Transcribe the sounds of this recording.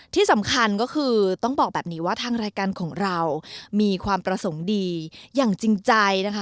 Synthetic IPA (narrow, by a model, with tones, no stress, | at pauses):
t̪ʰiː˥˩sa˩˦mkʰa˧nkɔː˥˩kʰɯː˧t̪ɔ˥˩ŋbɔː˨˩k̚bɛː˨˩p̚niː˦˥waː˥˩t̪ʰaː˧ŋɾaː˧jkaː˧nkʰɔː˩˦ŋɾa˧wmiː˧kʰwaː˧mpɾa˧so˩˦ŋdiː˧jaː˨˩ŋt͡ɕi˧ŋt͡ɕa˧jna˦˥kʰa˦˥